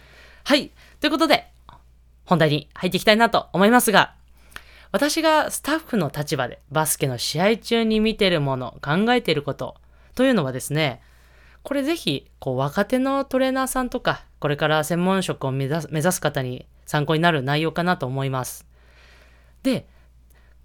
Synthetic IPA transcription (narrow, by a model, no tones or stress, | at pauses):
hai | t̪o̞iɯ̟kot̪o̞d̪e̞ | hond̪aiɲ̟ihait̪ːeikʲi̥t̪ainat̪o̞ːmo̞imasɨɡa | βat̪aɕiɡasɨ̥t̪aɸːɯ̟no̞t̪at͡ɕibad̪e̞̰basɨ̥keno̞ɕiait͡ɕɨːɲ̟imʲit̪e̞ɾɯ̟mo̞no̞̰kãŋɡae̞t̪e̞iɾɯ̟ko̞t̪o̞̰ | t̪o̞jɯ̟ːno̞β̞ad̪e̞sɨne̞ | ko̞ɾe̞ze̞çiko̞ːβ̞akat̪e̞no̞t̪o̞ɾe̞ːnaːsãnt̪o̞kako̞ɾe̞kaɾasẽ̞mːõ̞ɕo̞kɯ̟o̞mme̞zasɨ̥kat̪aɲ̟i | sãŋko̞ɲ̟inaɾɯ̟naijo̞ːkanat̪o̞ːmo̞imasɨ̥ | d̪̥e̞